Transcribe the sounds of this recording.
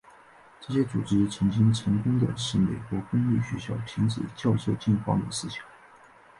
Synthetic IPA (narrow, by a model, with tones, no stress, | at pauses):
ʈ͡ʂɤ˥˩ɕjɛ˥t͡su˨˩ʈ͡ʂɻ̩˥t͡sʰɤ˧˥ŋt͡ɕi˥ŋt͡sʰɤ˧˥ŋkʊ˥ŋd̪ə̰˨˩ʂɻ̩˥˩me˨˩ɪkwɔ˧˥kʊ˥ŋy˥˩ɕɛ̰˧˥ɕjɑ˥˩ʊpʰi˧˥ŋt͡sɹ̩̰˨˩t͡ɕjɑ˥˧ʊsɤ˥˧t͡ɕɛ˥˧nkwɑ̰˥˩ŋd̪ə˩sɹ̩˥ɕjɑ̥˨˩˦ŋ